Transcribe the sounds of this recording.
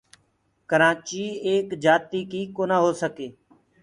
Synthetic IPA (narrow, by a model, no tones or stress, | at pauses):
kəɾãːt͡ʃiːeːkd͡ʒaːt̪iːkiːkoːnãːɦoːsəkeː